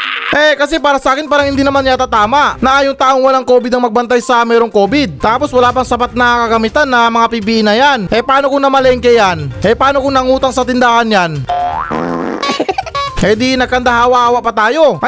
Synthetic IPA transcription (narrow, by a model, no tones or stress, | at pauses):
ʔɛkɐsɛpaːɾɐsɐʔaːkɪnpaːɾɐŋhɪnd̪iːnɐmanjat̪at̪aːmaʔnɐʔaːjoŋt̪aːʔoŋwɐlaŋkoːbɪd̪ɐŋmɐɡ̚bɐnt̪ajsɐmɛːɾoŋko̞ːbɪd̪̚t̪aːpo̞swɐlaːpɐŋsɐpat̪̚nɐkɐɡɐmit̪anːɐmɐŋapip̬iʔɪnɐjanʔɛpɐaːnokonɐmɐlɐɪŋkɛjanʔɛpaaːnokoŋnɐŋuːt̪ɐŋsɐt̪ɪnd̪aːhɐnjan | ɛd̪inɐɡkɐnd̪aɦaːwɐʔhaːwɐʔpɐt̪aːjo̞ʔ